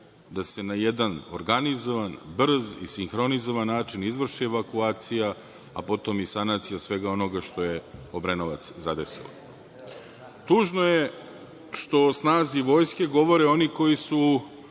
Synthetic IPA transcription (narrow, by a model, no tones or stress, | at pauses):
d̪ase̞najed̪ano̰ɾɡanizoʋanbr̩zḭsiŋxɾo̞nizo̞ʋanːaːt͡ʃinizʋr̩ʃieʋakuaːt̪sija̰ː | po̞t̪o̞misanat̪sijasʋe̞ɡao̞no̞ɡaʃt̪o̞je̞obɾenoʋa̰t̪szad̪e̞sḭlo̰ | t̪uːʒnoje̞ | ʃt̪o̞snaːziʋo̞ːjske̞ɡo̞ʋo̞ɾeo̞niko̞jisu